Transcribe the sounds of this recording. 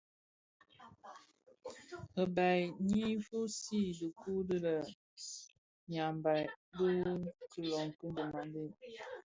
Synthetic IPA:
ə˨ba˨ɲi˦fu˦si˦də˨ku˦də˦lə˨ | ɲa˨mba˨jdə˦kə˦lɔ˨ŋ˨kə˦də˨ma˨nde˦

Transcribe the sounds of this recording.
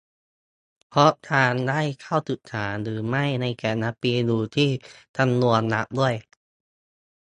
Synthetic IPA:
pʰɾɔ˦˥ʔt̪ʰaː˧ndaː˥˩jkʰa˥˩wt̪u˨˩t̪ʰːaː˩˦nɾɯː˩˦ma˥˩jna˧jkɛː˨˩nːa˦˥piː˧duː˧t̪ʰiː˥˩t̪ʰa˧mnu˧ənːa˦˥p̚du˥˩əj

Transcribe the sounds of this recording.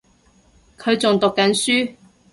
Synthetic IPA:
kʰɵ˨˧ɥt͡sʊ˨ŋt̪ʊ˨kːɐ˨˥nsyː˥

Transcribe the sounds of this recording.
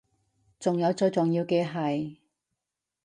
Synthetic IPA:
t͡sʊ˨ŋjɐ˨˧wt͡sɵː˧t͡sʊ˨ŋjiː˧wkɛː˧ɦɐ˨j

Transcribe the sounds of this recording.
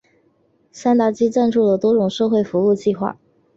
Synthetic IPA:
sa˥nt̪a˥˩t͡ɕi˥ʈ͡ʂa˥˧nʈ͡ʂʰu˥˩lə˩t̪wɔ˥ʈ͡ʂʊ˨˩ŋʂɤ˥˧ʊxwe˥˩ɪfu˧˥u˥˧t͡ɕi˥˧xwa̰˥˩

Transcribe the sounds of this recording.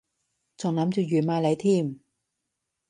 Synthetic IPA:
t͡ɕɔː˨˩ŋla˨˦˥mt͡ɕu˨˩jyː˨˩maː˧la˨˥˦jt̪ʰiː˧˥˩m

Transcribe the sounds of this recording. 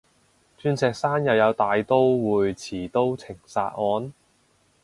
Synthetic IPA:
t͡ʃyː˥nsɛː˨˧k̚saː˥njɐ˨wjɐ˨˧wt̪aː˨jt̪o˥wwuː˨jt͡sʰiː˨˩t̪o˥wt͡sʰɪ˨˩ŋsa̰ː˧t̚ʔɔː˨˧n

